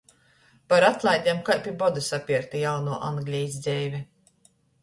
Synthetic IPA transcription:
paɾat̪lˠajd̪ʲiɛmkajpʲibɔd̪asapʲiɾt̪ijawnuːɔʔanɡlʲiːzʲd̪zʲɛjvʲi

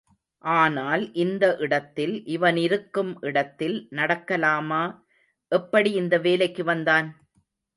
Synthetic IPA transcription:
ʔaːnaːlʔɪnd̪ɐʔɪɽɐt̪ːɪlʔɪʋɐnɪɾɯkːɯmʔɪɽɐt̪ːɪlnɐɽɐkːɐlaːmaː | ʔɛpːɐɽiɪnd̪ɐʋeːlɐɪkːɯʋɐnd̪aːn

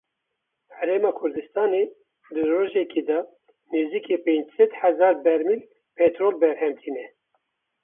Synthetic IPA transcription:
hɛɾeːmɑːkʰʊɾd̪ɨst̪ɑːneː | d̪ɨroːʒɛkeːd̪ɑ | neːziːkeːpeːnd͡ʒsɛd̪hæzɑːɾbɛɾmil | pʰɛt̪ɾoːlbɛɾhɛmt̪ʰiːnɛ

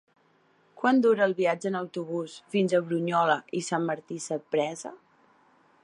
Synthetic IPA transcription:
kwand̪uɾəːlˠβiad͡ʒəːnəwt̪uβ̞usfinzəβɾuɲɔləʔisamːəɾt̪isəpɾɛzə̰

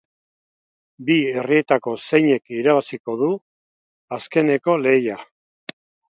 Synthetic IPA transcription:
bie̞rie̞t̪ako̞se̞jɲe̞kiɾaβasiko̞ðu | aske̞ne̞ko̞le̞ja

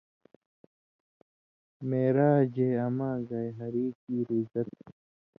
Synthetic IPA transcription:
meːɾaːd͡ʑeːɐmaːɡɐjɦɐɾiːkiːɾizɐt̪̚

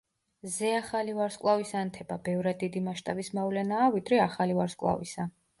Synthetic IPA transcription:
zɛaχalivaɾskʼlˠavisant̪ʰɛbabɛvɾad̪ːid̪imaʃt̪ʼabismavlɛnaːvid̪ɾɛaχalivaɾskʼlˠa̰visa

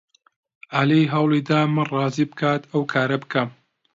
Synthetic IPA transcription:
alejɦɐwlˠiːd̪aːmɨnrˤɑːziːbɨkʰaːt̪ʰɐwkʰaːɾɐbɨkʰɐm

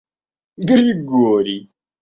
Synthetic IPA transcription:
ɡəɾjiɡoɾi

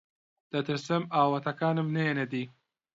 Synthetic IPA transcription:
d̪̥ɐt̪ɨɾsɨmaːwɐt̪ɐkaːnɨmnɐjened̪iː

